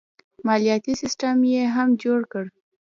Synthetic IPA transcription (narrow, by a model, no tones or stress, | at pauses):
mɑlijɑt̪isɪsʈamjeɦamd͡ʒoɽkəɽ